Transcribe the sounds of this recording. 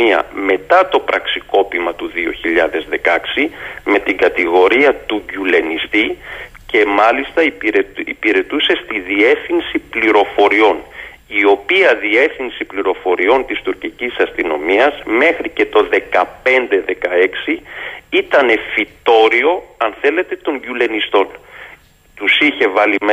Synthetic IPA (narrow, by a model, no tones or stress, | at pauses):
iɐ̰me̞t̪ɐt̪o̞pɾɐksiko̞pimɐt̪uðio̞̰çiʎɐðe̞zðe̞kɐksime̞t̪iŋɡɐt̪iɣo̞ɾiɐt̪uɟule̞nist̪i | ce̞mɐlist̪ɐiɾeipiɾe̞t̪use̞st̪iðie̞fθinsipliɾo̞fo̞ɾio̞n | io̞piɐðie̞θinsipliɾo̞fo̞ɾio̞nt̪ist̪uɾcicisɐst̪ino̞miɐzme̞xɾice̞t̪o̞ðe̞kɐpe̞nd̪e̞ðe̞kɐe̞ksiit̪ɐne̞fit̪o̞ɾio̞ɐnθe̞le̞t̪e̞t̪o̞ɲɟule̞nist̪o̞n | t̪usiçe̞vɐlim